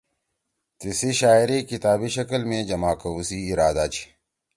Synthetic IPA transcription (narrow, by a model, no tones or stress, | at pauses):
t̪isiɕaːiɾikit̪aːbiɕɐkɐlmẽd͡ʑɐmaːkɐusiːɾaːd̪aːt͡ɕʰi̥